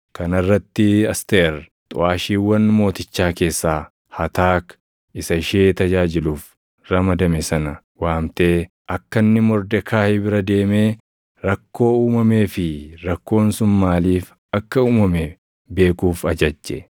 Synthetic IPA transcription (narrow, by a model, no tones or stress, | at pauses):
kɐnɐrːɐt̪ːɪɐst̪eɾ | t̪ʼʊ̰aːʃiːwːɐnmo̞ːt̪ɪt͡ʃːaːke̞ːsːaː | hɐt̪aːk | ɪsɐɪʃe̞ːt̪ɐd͡ʒaːd͡ʒɪluːf | ɾɐmɐd̪ɐmɛsɐnɐ | waːmt̪e̞ː | ʔɐkːɐnːɪmɔɾd̪ɛkʰaːhɛbɪɾɐd̪e̞ːmeː | ɾɐkːo̞ːuːmɐme̞ːfɪɾɐkːo̞ːnsʊnmaːliːf | ɐkːɐuːmɐmɛ | be̞ːkuːfɐd͡ʒɐd͡ʒːɛ